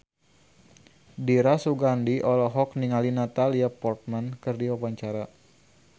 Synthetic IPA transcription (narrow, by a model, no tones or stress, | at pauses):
diɾasuɡandiʔɔlɔɦɔkniŋalinat̪aliapɔrt̪̚mankɨrdiwawaɲt͡ʃaɾa